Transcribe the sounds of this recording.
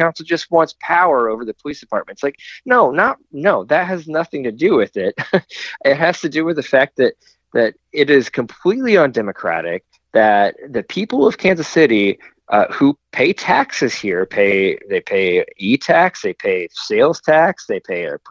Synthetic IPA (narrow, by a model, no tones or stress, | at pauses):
ãʊ̃nsl̩ˠd͡ʒʌst̚wɑ̃ntspʰaʊə˞oʊvə˞ðɨpʰəlisd̥ɨpʰɑɹt̚mɨ̃ntslaɪk̚noʊnət̚noʊðɨt̚ɦɨznʌθɪ̃ŋtɨdɨwɪðɪt̚ʔɪt̚ɦhɨz̥tɨdɨwɨðɨfæk̪̚ðɨɾ | ðɨɾ | ɪɾɪz̥kʰɨ̃m̩pʰl̥itˡliə̃ndɛmɨkʰɹ̥æ̰ɾɪ̰k̚ | ðɨt̪̚ðɨpʰipl̩ˠʌv̥kʰæ̃nzɨsɪɾi | ʔʌhupʰeɪtʰæksɨz̥hiɹpʰeɪðeɪpʰeɪitʰæksðeɪpʰeɪseɪlˠz̥tʰæksðeɪpʰeɪə̰˞